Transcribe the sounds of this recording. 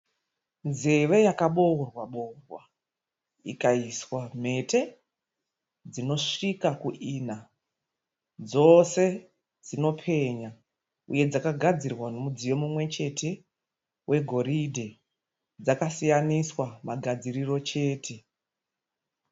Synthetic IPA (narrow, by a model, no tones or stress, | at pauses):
nzeʋe̞jakaɓorwaɓo̞rwa | ḭkaiswam̤e̞tʰe̞ | d͡zino̞ʂikakuʔiːna | d͡zo̞se̞ | d͡zino̞pʰe̞ɲa | uje̞d͡zakaɡʱad͡zirwano̞mud͡zijo̞mumwe̞t͡ʃe̞tʰe̞ | wʔe̞ɡʱo̞ɾidʱe | d͡zakasijaniswamaɡʱad͡ziriro̞t͡ʃe̞ːtʰe